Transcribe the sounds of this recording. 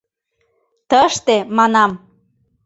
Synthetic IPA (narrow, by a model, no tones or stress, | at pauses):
t̪əʃt̪emɑnɑm